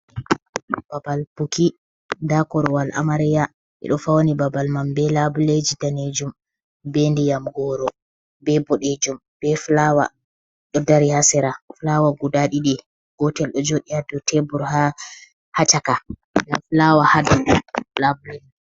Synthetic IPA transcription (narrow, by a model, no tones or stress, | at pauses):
b̥abalpuki | ndakɔɾɔwalʔa̰maɾɛja | ʔɛ̰ɗɔfawonibabalmambɛlabuled͡ʒidaned͡ʒum | bendijamɡɔɾɔ | bɛbɔɗed͡ʒum | b̥ɛflawa̰ | ɗɔdaɾihasɛɾaflawaɡudaɗiɗɛ | ɡ̥ɔtɛlɗɔd͡ʒoɗiadɔtʰɛbuɾha | hat͡ʃaka | bɛflawahadalabuled͡ʒi